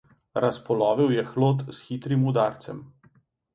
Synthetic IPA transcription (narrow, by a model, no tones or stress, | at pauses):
ɾʔaspɔlɔːʋiwjɛxloːt̪sxit̪ɾimud̪aːɾt̪sɛm